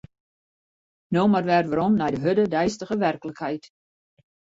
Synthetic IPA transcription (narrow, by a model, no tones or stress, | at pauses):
noːmarʋɛrʋəɾɔmnɛjdəɦødədɛjstəɣəʋɛrkləkhɛjt